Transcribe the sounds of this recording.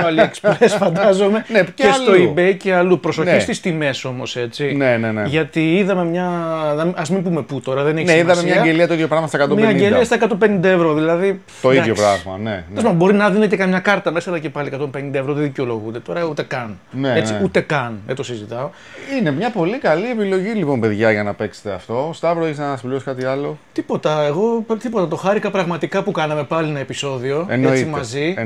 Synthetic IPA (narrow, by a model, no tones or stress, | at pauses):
ɐlieksplesfɐnd̪ɐzo̞me̞neesoibejceɐlupɾo̞so̞ist̪ist̪ime̞so̞mo̞se̞t͡sineneneʝɐt̪iiðɐme̞mɲɐnɐmiɐzmimbume̞put̪o̞ɾɐðeneçniðɐmemɲɐɐɡeliɐt̪oiðjo̞pɾɐɣmɐst̪ɐkɐt̪omimɐɲɟeliɐst̪ɐekɐt̪o̞mpe̞nind̪ɐevɾo̞ðilɐði | t̪oijopɾɐ̰ɣmɐ̰nḛospɐbo̞ɾinɐðinet̪ekɐmɲɐkɐɾt̪ɐme̞sɐːlɐce̞pɐliekɐt̪o̞mpe̞nind̪ɐevɾot̪eðiceo̞lo̞ɣud̪e̞t̪o̞ɾɐut̪e̞kɐnneet͡siut̪e̞kɐnðet̪osizit̪ɐo | ine̞mɲɐpo̞likɐlie̞pilo̞ʝilipo̞mpe̞ðʝɐʝɐnɐpe̞kse̥t̪eɐ̰ft̪o̞st̪ɐvɾeçeznɐspliosi̥kɐt̪iɐlo̞t̪ipo̞t̪ɐeɣo̞pt̪ipo̞t̪ɐt̪o̞xɐɾikɐpɾɐɣmɐt̪ikɐpukɐnɐme̞pɐlinɐepiso̞ðio̞eneot͡simɐzi